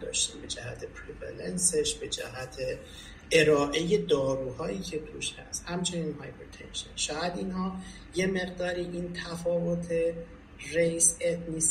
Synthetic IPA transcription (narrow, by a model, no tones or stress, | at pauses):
d̪ɒ̰ːʃt̪ḭːmbe̞d͡ʒæɦæ̰t̪ʰepʰɾevæ̰lense̞ʃbe̞d͡ʒæ̰ɦæt̪ʰe | eɾɒːʔe̞je̞d̪ɒːɾuːhɒːjiːcʰe̞t̪ʰuʃhæ̰st̪hæmt͡ʃʰe̞niːnhɒjbɾet̪ʰḛnʃḛnʃɒːjæd̪iːnhɒː | je̞me̞ɣd̪ɒːɾiːʔiːnt̪ʰæfɒːvo̞t̪ʰe̞ | rejset̪niːs